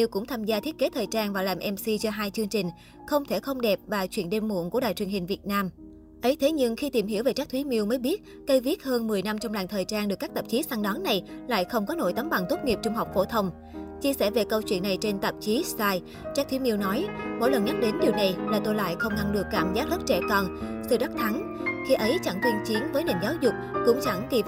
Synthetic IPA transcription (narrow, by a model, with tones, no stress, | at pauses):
i˧wkʊ̰˧˥ŋ͡mt̪ʰaː˧mzaː˧t̪ʰi˦˥ət̚ke˨˦t̪ʰəː˨˩j̚tt͡ɕaː˧nvaː˨˩laː˨˩mʔɛ˧msi˧t͡ɕɔ˧ɦaː˧jt͡ɕɨ˧əŋt͡ɕï˨˩ŋ̟ | xə˧wŋ͡mt̪ʰe˧˩xə˧wŋ͡mɗɛ˨˩p̚vaː˨˩t͡ɕwḭ˧˩ənɗe˧mmṵ˧˨əŋku˧˩əɗa̰ː˧˨jt͡ɕwi˨˩əŋɦï˨˩ŋ̟vi˨˩ət̚naː˧m | ʔə˨˦jt̪ʰe˨˦ɲɨ˧ŋxi˧t̪i˨˩mɦi˧˩wve˨˩t͡ɕaː˦˥k̚t̪ʰwi˨˦mi˧əwməː˨˦jɓi˦˥ət̚ | kə˧jvi˦˥ət̚həː˧nmɨ˨˩əjna˧mt͡ɕɔ˧wŋ͡mla̰ː˨˩ŋt̪ʰəː˨˩jt͡ɕaː˧nɗɨ˨˩əkːk̚t̪ə˨˩p̚t͡ɕi˨˦sa˧ŋɗɔ˨˦nːa˨˩jla̰ː˧˨jxə˧wŋ͡mkɔ˨˦no̰˧˩˨jt̪a˨˦mɓa˨˩ŋt̪o˦˥t̚ŋi˨˩p̚t͡ɕʊ˧ŋ͡mɦa˨˩wk͡p̚fo˧˩t̪ʰə˧wŋ͡m | t͡ɕi˧əsɛ̰ː˧˩ve˨˩kə˧wt͡ɕwi˧˨ənːa˨˩jt͡ɕe˧nt̪ə˨˩p̚t͡ɕi˨˦saː˧j | t͡ɕaː˦˥k̚t̪wi˨˦mi˧wnɔ˨˦jmo̰˧˥˨jlə˨˩nŋa˦˥jk̚ɗe˨˦nɗi˨˩əwna˨˩jlaː˨˩t̪o˧jla̰ː˧˨jxə˧wŋ͡mŋa˧ŋɗɨ˨˩əkːaː˧˩mzaː˦˥t̚hə˦˥t̚t͡ɕɛ̰˧˩kɔ˨˩nsɨ̰˧˨ɗa˦˥k̚t̪ʰa˨˦ŋ | xi˧ʔə˨˦jt͡ɕa˧˩ŋt̪wi˧nt͡ɕi˨˦ənvəː˨˦jne˨˩mzaː˨˦wzʊ˨˩k͡p̚kʊ̰˧˥ŋ͡mt͡ɕa˧˩ŋk̪i˧˩